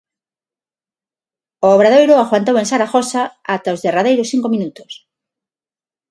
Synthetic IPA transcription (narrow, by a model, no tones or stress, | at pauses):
oːβɾað̞ojɾoaɣwant̪owẽnsaɾaxosaat̪aozðeraðejɾosθiŋkomĩnut̪o̥s